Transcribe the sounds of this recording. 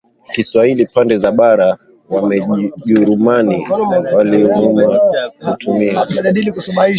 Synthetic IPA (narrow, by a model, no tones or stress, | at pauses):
kiswahilipandɛzaɓaɾa | wamɛʄuɾumaniwaliɔɲumakutʰumiaaʄaɗilikusɔmai